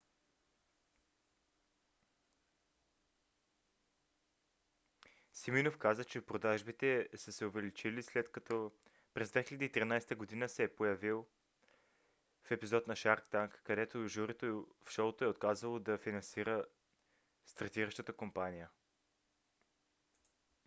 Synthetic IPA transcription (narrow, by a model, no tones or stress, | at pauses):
siminofkazət͡ʃɛpɾod̪aʒbit̪ɛsəsɛʊvɛlit͡ʃilislɛt̪kt̪ɔ | pɾɛzd̪vɛxilʲɛd̪iːt̪ɾinajst̪əɡod̪inəsɛːpojɐvilˠ | fɛpizɔt̪nɐʃaɾkt̪aŋkːɐd̪ɛt̪oʒuɾɛt̪ofʃɔlt̪oɛot̪̚kazvəlˠod̪ɐfinɐnsiɾə | st̪ɐɾt̪iɾəʃt̪ət̪əkompanijə